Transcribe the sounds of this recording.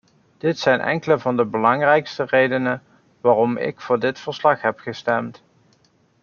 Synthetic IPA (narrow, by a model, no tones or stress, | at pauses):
d̥ɪtsɛjnʔɛ̰ŋkələvɑndəbəlɑŋrɛjkstərejdənə | ʋaːrɔmɪ̰kfʊːɹdɪtfəɹslɑχɦɛpχəstɛmt